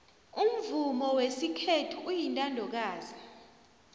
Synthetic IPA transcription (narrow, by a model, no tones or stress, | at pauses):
um̩vumɔwesikʰetʰuːjintʼandʱɔk̬aːzi